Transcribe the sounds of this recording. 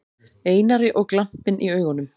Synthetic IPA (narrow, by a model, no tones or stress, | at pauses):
eːjnaɾɪʔɔɣklam̥pɪnʔiœːɥɣɔnʏm